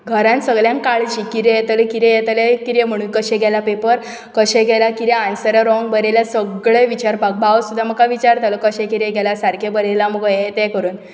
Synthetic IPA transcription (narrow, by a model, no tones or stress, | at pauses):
ɡʱəɾãnsəɡɭjãnkaɭt͡ɕikiɾɛjɛt̪əlɛkiɾɛjɛt̪əlekiɾɛm̤əɽ̃uːnkəɕɛ̃ɡɛlapepəɾ | kəɕɛ̃ɡʱɛlakiɾeansəɾaɾɔ̃ŋɡbəɾeljasəɡɭeʋit͡ɕaɾpak̚baʋsud̪ʱːaməɡkaʋit͡ɕaɾt̪alɔkəɕɛ̃kiɾɛɡɛlasaɾkʰebəɾɛlaməɡjɛt̪ɛkəɾuːn